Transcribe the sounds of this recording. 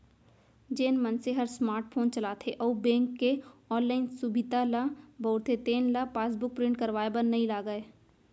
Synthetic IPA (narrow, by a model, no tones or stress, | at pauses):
d͡ʒeːnmɐnseɦɐɾsmaːɾʈpʰoːnt͡ʃɐlaːt̪ʰeʔɔːbẽːŋkːeɔːnlaːɪnsʊbʱɪd̪alabɔʊɾt̪ʰet̪eːnlapaːsbʊk̚pɾɪ̃ɳʈ̚kɐɾʋaːebɐnnɐĩlaːɡəeː